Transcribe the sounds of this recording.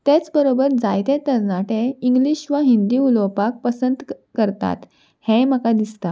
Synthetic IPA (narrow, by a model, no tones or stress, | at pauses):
t̪et͡sbəɾobəɾd͡zajt̪et̪əɾnaʈẽiŋɡliɕʋaɦind̪iːulowpak̚pəsənd̪kəɾt̪a̰t̪ | hẽməkad̪ist̪a